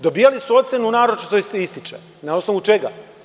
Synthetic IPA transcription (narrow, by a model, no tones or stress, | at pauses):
d̪o̞biːjalisuo̞t̪senunaːɾot͡ʃit̪oisist̪it͡ʃe | nao̞snoʋut͡ʃe̞ɡa̰